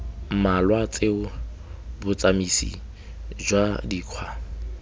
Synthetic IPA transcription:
malwat͡sʼeʊ | bʊt͡samisḭ | d͡ʒwadiːkʰwa

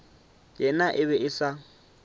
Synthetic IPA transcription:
jɛnaʔɪβɛɪsa

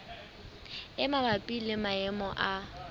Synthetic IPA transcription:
ɪmabapʼilɪmaɛmɔʔa

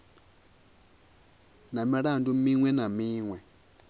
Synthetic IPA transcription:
namiɾandumiŋwɛnamiːŋwɛ

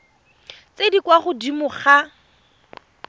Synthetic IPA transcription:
t͡sedikwaχʊdimʊχa

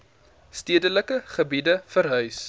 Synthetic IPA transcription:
stiədələkəχəbidəfərɦœɥs

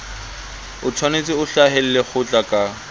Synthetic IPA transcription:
ʊt͡sʰwanet͡sʼɪʊɬaɦel̩lek͡xʰʊt͡ɬʼakʼa

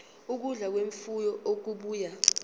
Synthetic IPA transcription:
uk̬uɮak̬weɱfujɔok̬uɓuːja

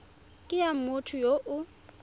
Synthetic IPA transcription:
kʼɪjam̩mʊtʰʊjoʔʊ

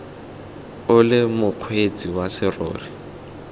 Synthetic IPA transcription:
ʊlɪmʊq͡χʰwet͡sʼiwasɪro̰ːri

